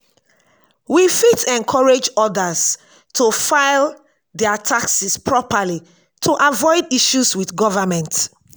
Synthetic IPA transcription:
wifitɛ̃nkʰɔɹed͡ʒɔdəs | tʰufaɪl | dɛatʰaksispʰɹɔpəli | tʰuʔavɔɪdiʃuswiθɡɔvəmɛ̃nt

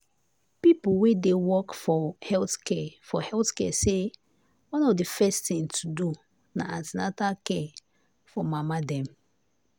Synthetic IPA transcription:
pipuwedewɔkfɔhɛlθkɛfɔhɛlθkɛse | wãnɔvdifɛstĩŋtʰudu | na̰atinatakɛ | fɔmamadɛ̃m

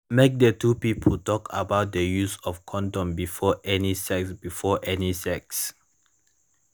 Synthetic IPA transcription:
mek̚dətupipʰəltɔkʰa̰baʊt̚dəjusɔfkʰɔ̃ndɔ̃mbifɔʔɛnisɛksbifɔʔɛnisɛks

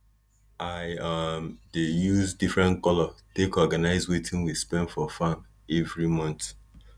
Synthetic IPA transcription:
ʔaɪmdejuzdifɹɛ̃nkɔlɔtekɔɡanaɪzwetʰĩnwispɛ̃ndfɔfam | ɛvɹimɔ̃nt

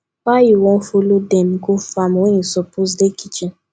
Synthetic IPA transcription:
wajuwɔ̃n̩folodɛ̃mɡofamwẽnisɔpos̬dekit͡ʃĩn

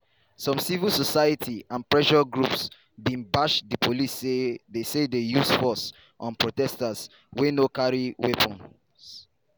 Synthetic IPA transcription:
sɔ̃msivilsɔsaɪjətʰiãnpɹɛʃɔɡɹups | bĩnbaʃdipʰolisedesedejusfɔs | ʔɔ̰̃npɹotɛstas | wenokaɹiwepʰɔ̃n | s

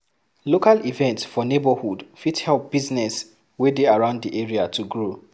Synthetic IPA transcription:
lokalivɛ̃ntsfɔnebəhudfithɛlp̚b̥iznɛs | wedeaɹãʊ̃nddiʔeɹiatʰuɡɹo

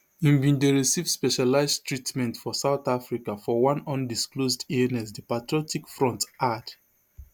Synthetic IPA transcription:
ĩmbĩndeɹisivspɛʃalaɪztɹitmɛ̃ntfɔsaʊθafɹikafɔwãnɔ̃ndisklozdiɛnɛs̬dipatɹɔtʰikfɹɔ̃ntad

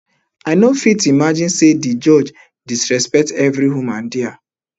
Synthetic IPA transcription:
aɪnofitimad͡ʒĩnsedid͡ʒɔd͡ʒ | disɹɛspɛk̚tɛvɾiɦomãndia

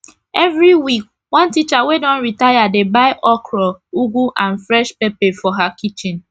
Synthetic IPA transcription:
ɛvɾiwik̚ | wɔ̃ntit͡ʃawedɔ̃nɾitajadebaɪʔɔkɾɔuɡʷuʔãnfɾɛʃpepefɔɦakit͡ʃɪ̃n

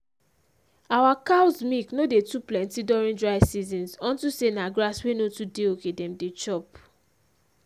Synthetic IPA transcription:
awakawzmiknodetuplɛ̃ntidɔɹĩndɹaɪsizĩnsɔ̃ntusenaɡɹaswenotudeokedɛ̃mdet͡ʃɔp

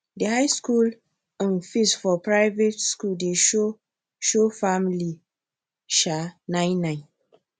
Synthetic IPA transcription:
dehaɪskul | ə̃nfisfɔpɹaɪvetskuldeʃo | ʃofamli | ʃanãɪ̃nːãɪ̃n

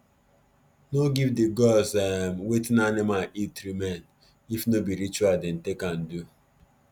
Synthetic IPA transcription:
noɡivdiɡɔsɛmwetɪnanimaʔitɾimɛn | ifnobiɾit͡ʃwaldɛn̩tekan̩du

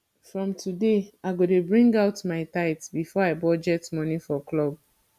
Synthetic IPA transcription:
fɹɔ̃mtʰudeaɪɡodebɹĩŋɡaʊtmaɪtaɪtbifɔaɪbɔd͡ʒɛtmɔ̃nifɔklɔb̚

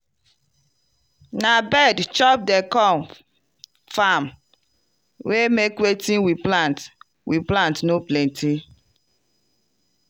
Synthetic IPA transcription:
nabɛdt͡ʃɔp̚dɛkɔ̃m | fam | wemekwetĩnwiplãnt | wiplãntnoplɛ̃ntʰi

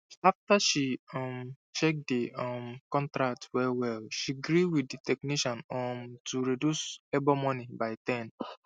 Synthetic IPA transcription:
aftaʃiɔ̃m | ʃek̚deɔmkɔ̃ntɹak̚twɛwɛlʃiɡɹiwiditɛkniʃɔ̃nɔmtʰuɹidjusɛbɔmɔnibaɪtɛ̃n

